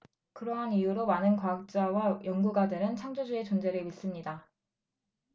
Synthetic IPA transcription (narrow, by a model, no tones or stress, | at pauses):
kɯɾʌɦanijuɾomanɯnkwaak̚t͡ɕ͈awajʌŋɡuɡadɯɾɯnt͡ɕʰaŋd͡ʑod͡ʑue̞t͡ɕond͡ʑe̞ɾɯɭɥis͈ɯmɲida